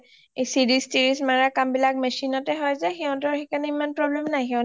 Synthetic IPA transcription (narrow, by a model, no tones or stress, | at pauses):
ejsidistiɹismaɹakambilak̚mesinɔtɛɦɔjzɛxɛɔ̃tɔɹxekanɛimanpɹɔblemnajxɛɔʊ̃